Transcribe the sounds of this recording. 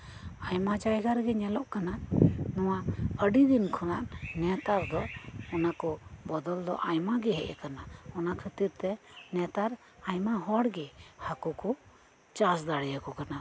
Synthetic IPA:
ajmad͡ʒajɡaɾɡɛɲɛlɔʔkananɔwaəɖid̪inkʰɔnaʔnɛt̪aɾd̪ɔʔɔnakɔbɔd̪ɔld̪ɔ̰ʔajmaɡɛɦɛʔɛ̰kanaɔnakʰət̪iɾt̪ɛnɛt̪aɾ | ajmaɦɔɽɡɛhakuku | t͡ʃasd̪aɽɛjakɔkana

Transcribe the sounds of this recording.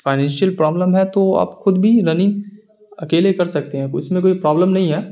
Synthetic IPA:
faɪnɛ̃ːnʃiəlpɾaːbləmɦɛt̪oa̰ːpxʊd̪bʱiɾɐnɪ̃ŋ | ɐkeːlekɐɾsɐk̚t̪eɦɛ̃ɪsmẽk̬oːipɾaːbləmnɐɦĩɦɛː

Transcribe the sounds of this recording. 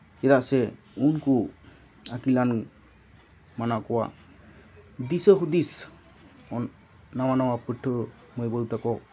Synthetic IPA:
ɛdaʔsɛ | unku | akilan | manakɔwa̰ | disɯɦudis | ɔ | nawanawapɯʈʰːɯ | mɯjbɔltakɔ

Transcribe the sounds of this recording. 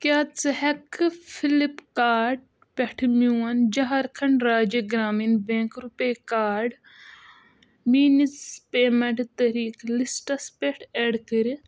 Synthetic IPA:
kʲjaːt͡sɨhɛkfʰilipkaːɾɖ̚ | pɛʈʰmuːɐnd͡ʒɐɦɐɾkʰɐɳɖɾaːd͡ʒeɡɾaːminbẽŋkɾupekaːɾɖ | miːnispeːmeɳʈt̪ɐɾiːklisʈɐspeʈʰeːɖkəɾi

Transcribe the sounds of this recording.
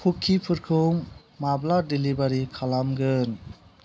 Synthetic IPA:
pʰukʰːipʰɯɾkʰɯwmː | abladilibaɾikʰalamɡɯn

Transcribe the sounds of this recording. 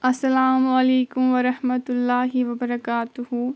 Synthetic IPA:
ʔɐsːɐlaːmɐleːkʊmʋɐɾɐhmɐt̪ʊlːaːɦiʋɐbɐɾɐkaːt̪ʊhu

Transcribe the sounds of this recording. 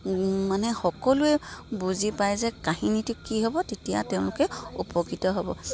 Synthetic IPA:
manɛxɔkɔlʊɛbuzipajzɛkaɦinitʊkiɦobɔtetija̰tɛʊ̃lʊkɛupɔkitɔɦobɔ̰

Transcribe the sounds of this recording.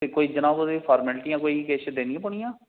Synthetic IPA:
ekoːiːd͡ʒənãːbod̪eːpʰaːɾmɛlʈiːãːkoːiːkeːʃd̪eːnĩːãpʊɳijãː

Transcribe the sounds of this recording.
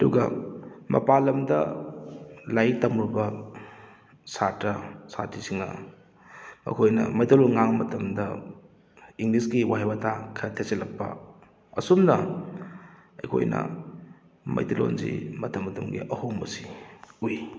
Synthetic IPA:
ɐduɡɐ̰mɐ̰palɐmdɐ̰ | lajk̚tɐmɾubɐ | satɾɐsa̰tːisiŋnɐ̰ | ɐ̰kʰojnɐ̰majtolonŋaŋmɐtɐmdɐ | iŋlisɡiwaɦewatʰakʰɐtʰeselɐk̚pɐ̰ | ɐsumnɐ | ɐ̰jkʰo̰jnɐ̰ | mɐ̰jtilo̰nzḭmɐtʰɐmːɐtɐmɡḭʔɐhuwmɐsiuj

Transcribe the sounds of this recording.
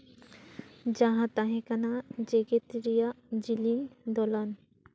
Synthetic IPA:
d͡ʑaɦãt̪aɦẽkanad͡ʑeɡet̪ɾijad͡ʑiliŋd̪ɔlan

